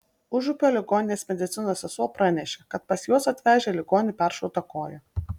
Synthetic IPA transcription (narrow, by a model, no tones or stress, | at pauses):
ʊʒʊpʲoːlʲɪɡoːnʲɪnʲeːsmʲɛd̪ʲɪt̪sʲɪnoːsɛsuɔpɾɐnʲɛʃʲeːkɐt̪pɐsjuɔsɐt̪ʲʋʲæːʒʲeːlʲɪɡoːnʲɪpʲæɾʃɔʊt̪ɐkoːjɛ